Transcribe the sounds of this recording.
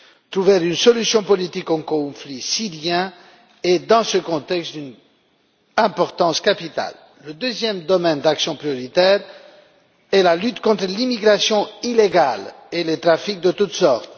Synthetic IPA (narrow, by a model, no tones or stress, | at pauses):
t̪ʁuvɛʁynsɔlysjɔ̃pɔlit̪ikɑ̃kɔ̃flisiʁjɛ̃ | ed̪ɑ̃səkɔ̃t̪ɛkst̪d̪yn | ɛ̃pɔʁt̪ɑ̃skapit̪a̰lː | əd̪øzjɛmd̪ɔmɛnd̪aksjɔ̃pχijɔʁit̪ɛʁ | ɛlalyt̪kɔ̃t̪χəlimiɡʁasjɔ̃ileɡalelet̪ʁafik̚d̪ət̪ut̪sɔʁt̪